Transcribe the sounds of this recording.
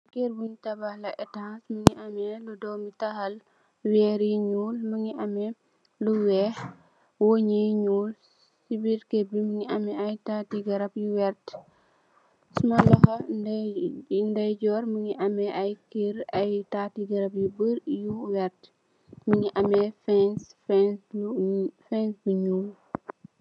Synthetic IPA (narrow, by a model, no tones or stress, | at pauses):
kiɾbuŋitɐbɐhlɐʔɛtasməŋiʔɐmɛludɔːmitɐxɐl | wɛːɾiɲuːlməŋiʔɐmɛ | luwɛh | woɲiɲuːl | sibiɾkebiməŋiʔɐmɛɐjtaːtiɡɐɾɐpjuwɛɾt | sumɐlɐxɐ | ndɐjd͡ʒɔɾməŋiʔɐmɛʔɐjkiɾɐjtaːtiɡɐɾɐpjibəɾjuwɛrt | məŋiʔɐmɛfɛnsfɛn | fɛnsbiɲuːl